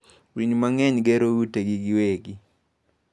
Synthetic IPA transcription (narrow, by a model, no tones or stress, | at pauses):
wiɲmaŋɛɲɡeɾouteɡiɡɪweɡi